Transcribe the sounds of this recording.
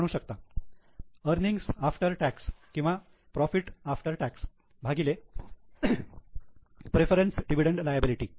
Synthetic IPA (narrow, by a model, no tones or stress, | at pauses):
ɽ̃uːɕək̚t̪a | əɾniŋɡsafʈəɾʈækskĩw̃ʋa | pɾɔfiʈafʈəɾʈæks | bʱaɡile | pɾefəɾensɖiʋiɽəɳʈlajabiliʈiː